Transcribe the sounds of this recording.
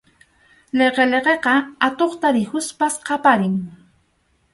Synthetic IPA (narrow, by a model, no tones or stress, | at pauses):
leqeleqeqɑat̪oχt̪aɾɪhʊspasqɑpaɾɪŋ